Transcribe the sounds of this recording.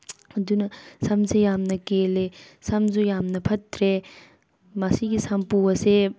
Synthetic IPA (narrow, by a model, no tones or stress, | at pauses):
ɐd̪unɐsɐmsejamnɐkelesɐmzujamnɐpʰɐt̪ɾe | masiɡisʰampuwɐse